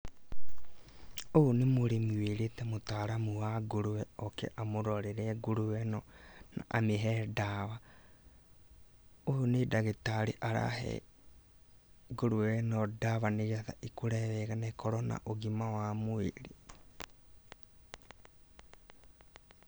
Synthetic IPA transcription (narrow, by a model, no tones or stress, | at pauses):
oonemoɾemeɾetɛmotaɾamuwaɡoɾowɛɔkɛ̰ʔamoɾɔɾeɾɛɡoɾuwɛnɔna̰ʔameɦɛdaβa | oonedaɣetaɾeʔaɾa̰ɦɛ̰ | ɡoɾowɛnɔdaβaneɣiaða̰ʔikoɾɛβɛɣanaekʰɔɾɔna̰ʔoɣimawamoeɾe